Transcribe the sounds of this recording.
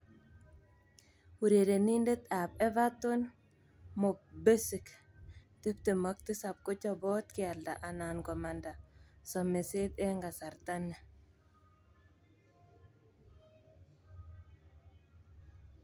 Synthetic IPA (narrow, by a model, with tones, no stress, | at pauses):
wu˨ɾe˨de˨ninde˦t̪apɛ˦vatʊn | mʊ˨be˦sɪ˨k | tɪ˦pt̪ɪma˦k̚t̪ɪ˦sa˨p̚kʊ˦t͡ʃɔbɔ˦t̪kɪa˨lda˨ʔa˨nankɔ˨ma˨nda˨sɔ˨me˨sed̪ɛŋɡa˨sa˨ɾt̪anːɛ˨